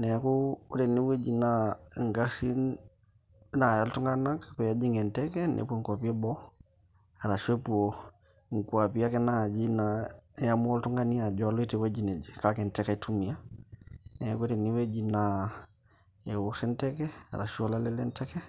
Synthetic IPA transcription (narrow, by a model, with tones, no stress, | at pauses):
ne˨kuu˦te˨ni˦we˦d͡ʒi˨naŋɡasin | najaltu˦ŋɡa˦nakpu˨jad͡ʒi˦ŋɡe˨ntekenʔḛ˨pu˦ŋkua˨pi˦e˦bo | aɾa˨ʃu˦e˦pu˨o | ŋkuapi˦ja˦ke˦na˨d͡ʒinajamu˦o˦ltu˦ŋɡani˦a˨d͡ʒolu˦i˦tewe˦d͡ʒine˨d͡ʒikake˨nte˦katumi˨ja | nekute˨ni˦we˦d͡ʒina | je˨wu˦ksi˦nteke˦a̰ɾa̰˨ʃu˦olalelenteke˦